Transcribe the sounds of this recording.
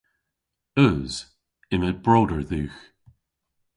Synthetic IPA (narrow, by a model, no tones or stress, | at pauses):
əz̥ | ɪməb̥ɹoːdəɹðʉːx